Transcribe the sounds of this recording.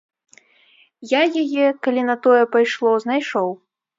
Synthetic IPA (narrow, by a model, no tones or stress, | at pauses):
jajajɛkalʲinɐt̪ɔjɛpajʂlˠɔznajʂɔw